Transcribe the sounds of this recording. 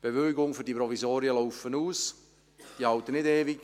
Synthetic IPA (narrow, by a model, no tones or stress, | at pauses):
b̥eʋøːɡʊŋfyɾdipɾɔvisoːɾjəloʊfənuːs | d̥ihɑwt̪ːənɪdeːviɡ